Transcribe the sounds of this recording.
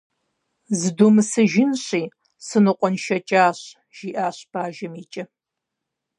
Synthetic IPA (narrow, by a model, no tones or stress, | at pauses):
zɨduːmɨsɨʒɪnɕiː | sɨnɨqʷʼɔnʃɐt͡ʃʼaːɕ | ʒ̥iːʔaːɕb̥aːʒɐmiːt͡ʃʼɐ